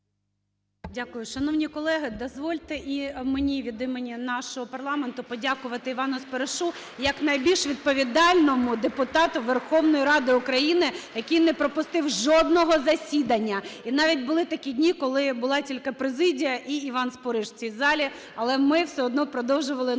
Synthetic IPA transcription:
dʲakʊjʊʃɐnɔwnʲikɔlˠɛɦɪd̪ɔzʋɔlʲt̪ɪʔimenʲiʋʲid̪ɪmenʲinɑʃɔɦɔpɐrlˠɑment̪ʊpɔdʲakʊʋɐt̪ɪiʋɑnʊspeɾeʃu | jɐknɐjbʲilʲʃʋʲid̪̚pɔʋʲid̪ɑlʲnɔmʊd̪epʊt̪ɑt̪ʊʋerxɔwnɔjiɾɑd̪ɪʊkɾɐjinɪjɐkʲijnɛpɾɔpʊst̪ɪwʒɔd̪nɔɦɔzɐsʲid̪ɐnʲːɐinɑʋʲit̚ʲbʊlˠɪt̪ɐkʲidʲnʲikɔlˠɪbʊlˠɑtʲilʲkɪpɾezɪdʲijɐʔiːʋɑnspɔɾɪʃt͡sʲizɑlʲi | ɐlˠɛmɪwsɛɔd̪nɔpɾɔd̪ɔwʒʊʋɐlˠɪ

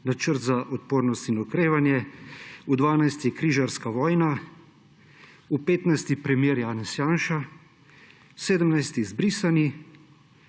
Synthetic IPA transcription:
nat͡ʃəɾt̪zaʔɔt̪poːɾnɔst̪inɔkɾeːʋanjɛ | ud̪ʋaːnajst̪jɛkɾiːʒaɾskaʋɔːjna | upeːt̪najst̪ipɾɛmjeːɾjaːnɛsjaːnʃa | seːd̪əmnajst̪izbɾiːsani

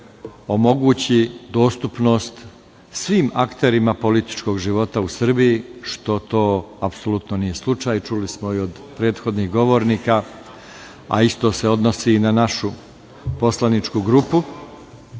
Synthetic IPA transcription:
o̞mo̞ɡuːt͡ɕid̪o̞ːst̪upno̞ːst̪ | sʋiːmakt̪e̞ɾimapo̞lit̪i̥t͡ʃko̞ːɡʒiʋo̞t̪ausr̩bijiʃt̪o̞t̪o̞ːapso̞lut̪nonije̞slˠut͡ʂajt͡ʃulismo̞io̞d̪ | pɾe̞ːd̪xo̞d̪niɣɡo̞ʋo̞ːɾnika | a̰ist̪o̞se̞o̞d̪nosinanaʃu | po̞slanit͡ʂkuɡɾupu

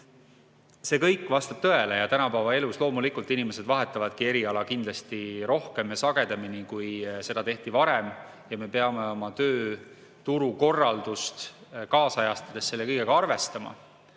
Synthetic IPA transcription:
se̞ːkɤjkːˑvɑst̪ɑb̥̚t̪ɤe̞lejɑt̪ænɑpæːvɑe̞luslo̞ːmulikˑult̪ːˑinime̞se̞d̪vɑɦe̞t̪ːˑɑvɑd̪̥kie̞ɾiɑlɑkind̪lɑst̪iɾo̞hke̞mjɑsɑɡ̥e̞d̪eminikujse̞d̪ɑt̪e̞ht̪ivɑɾe̞m | jɑme̞pe̞ɑme̞o̞mɑt̪øː | t̪uɾuko̞rːɑld̪ust̪kɑːsɑjɑst̪ɑd̪̥e̞sːe̞lːekɤjɡ̥eɡɑɑrve̞st̪ɑmɑ̰

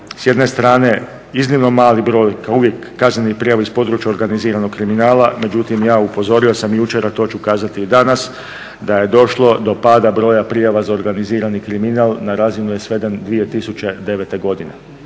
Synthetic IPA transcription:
sjed̪ne̞st̪ɾaːne̞ | iznimno̞maːlibɾo̞ːjkauʋje̞kːaznenipɾijaʋaispo̞d̪ɾut͡ʃjao̞ɾɡaniziːɾano̞ɡkɾiminaːlame̞d͡ʒut̪imjaːupo̞zo̞ɾio̞samjut͡ʃeɾat̪o̞ːt͡ʃukaːzat̪id̪anas | d̪aje̞d̪o̞ʃlˠo̞d̪o̞paːd̪abɾo̞ːjapɾijaʋazao̞ɾɡaniziːɾanikɾiminaːlˠnaɾaːzinuje̞sʋe̞d̪end̪ʋije̞t̪isut͡ʃe̞d̪e̞ʋet̪e̞ɡo̞d̪ine

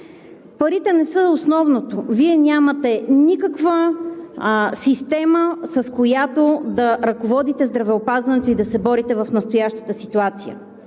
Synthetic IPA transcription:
pɐɾit̪ɛnɛsəosnɔvnot̪oviɛnʲamət̪ɛnikəkvə | sist̪ɛməsəskojat̪od̪ɐɾɐkovɔd̪it̪ɛzd̪ɾɐvɛopazvɐnɛt̪oid̪ɐsɛbɔɾit̪ɛvɐfnəst̪ojaʃt̪ə̥t̪əsit̪uat̪sijə̰

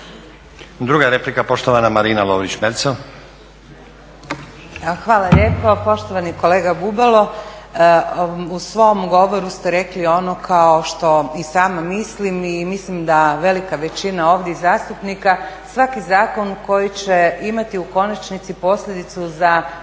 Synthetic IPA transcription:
d̪ɾuɡaeɾeplikapo̞ʃt̪oʋanamaɾiːnaloːʋɾit͡ɕmeɾt̪so | xʋaːlaʎʲeːpo̞po̞ʃt̪oʋaniko̞le̞ːɡabubalˠo̞ | usʋo̞mɡo̞ʋo̞ɾust̪eɾe̞klio̞no̞kʰao̞ʃt̪o̞isaːmamislimimislimd̪aʋe̞likaʋe̞t͡ɕinao̞ːʋd̪jeizaːst̪upnikasʋakizaːko̞nko̞jit͡ɕeimat̪iuko̞nat͡ʃnit̪sipo̞sʎʲed̪it̪suza

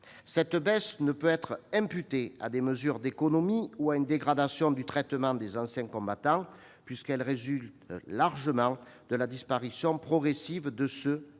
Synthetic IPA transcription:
sɛt̪bɛsnəpøɛt̪χɛ̃mpyt̪ea̰d̪eməzyʁd̪ekɔnɔmiuaynd̪eɡʁad̪asjɔ̃d̪yt̪χɛt̪əmɑ̃d̪ezɑ̃sjɛ̃kɔ̃bat̪ɑ̃ | pɥiskɛlʁezylt̪laʁʒəmɑ̃ | d̪̥əlad̪ispaʁisjɔ̃pχɔɡʁesivd̪əsø

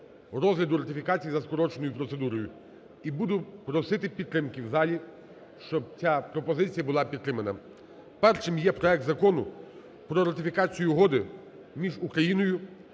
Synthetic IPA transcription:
ɾɔzɦlʲɐd̪ʊɾɐt̪ɪfʲikɑt͡sʲijzɐskɔɾɔt͡ʃenɔjʊpɾɔt̪se̞d̪uɾɔjʊ | ibud̪ʊpɾɔsɪt̪ɪpʲid̪t̪ːɾɪmkɪwzɑlʲi | ʃt͡ʃɔb̚t͡sʲapɾɔpɔzɪt͡sʲijɐbʊlˠɑpʲidt̪t̪ːɾɪmɐnɐ | pɛrʃɪmjɛpɾɔɛk̚t̪zɐkɔnʊ | pɾɔɾɐt̪ɪfʲikɑt͡sʲijʊɦɔd̪ɪ | mʲiʒukɾɐjinɔjʊ

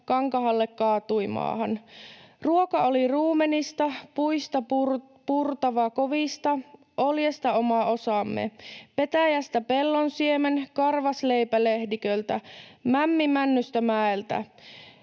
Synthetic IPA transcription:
kɑŋkɑɦɑlːekkɑːt̪ujmɑ̰ːɦɑnruokɑoliruːmenist̪ɑpuist̪ɑ | purt̪ɑʋɑkoʋist̪ɑ | ʔoljest̪ɑomɑo̞sɑmːḛpe̞t̪æjæst̪æpe̞lːonsiemenkɑrʋɑsleipælehdikølt̪æmæmːimænːyst̪æmæelt̪æ̰

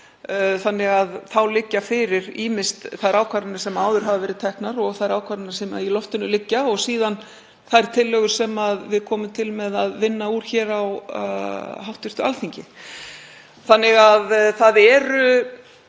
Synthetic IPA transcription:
θanːɪɣaðθawlɪcːafɪɾɪɾiːmɪst̪θaðɾaːwkʰaɾɪnasɛmaːwðʏɾ̥ɦavavɛːɾɪðt̪ʰɛhknaɾɔɣθaðɾaːwkʰaɾɪnasɛma̰ilɔft̪ɪnʏlɪcːaɔɣsiːðan | θajɾ̥t̪ʰɪlːœɣʏɾ̥sɛmaðvɪðkʰɔːmʏmt̪ʰɪlmɛðaðvɪnːauːɾ̥çɛːɾaw | ɦawht̪ɪr̥t̪ʏa̰lθiɲcɪ | θanːɪɣaðθaðɛɾʏ

